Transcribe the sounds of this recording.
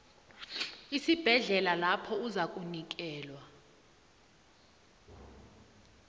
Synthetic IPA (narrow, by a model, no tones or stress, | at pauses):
isib̥ʱɛɮɛlalapʰɔuzakʼunik̬ɛːlwa